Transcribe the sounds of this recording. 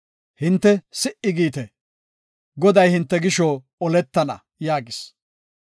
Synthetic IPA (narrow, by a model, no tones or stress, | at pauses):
hɪnt̪ːɛsɪʔɪɡiːt̪ɛ | ɡɔd̪ɐjhɪnt̪ːɛɡɪʃɔ | ɔlɛt̪ːɐnɐ̰ | jaːɡɪs